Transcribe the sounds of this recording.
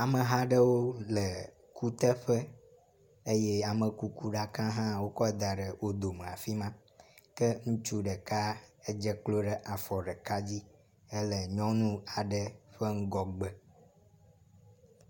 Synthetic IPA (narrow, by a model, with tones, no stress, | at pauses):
a˨mə˨ɦã˦ɖə˦wo˦lə˨ | ku˦t̪ə˦ɸə˦ | e˦je˦a˨mə˨ku˦ku˦ɖa˦kã˦ɦã˦wo˦kɔ˦d̪a˨ɖə˨wo˦d̪o˨m̃˨a̰˨fi˦mã˦ | kə˦ŋũ˦t͡ʃu˦ɖə˨ka˦ə˦d͡ʒə˦k͡plo˦ɖə˨ʔa˨fɔ˨ɖə˨ka˦d͡ʑi˦ | ə˦lə˨ɲɔ̃˦nũ˦a˨ɖə˦ɸə˦ŋ̩˦ɡɔ˨ɡ͡bə˦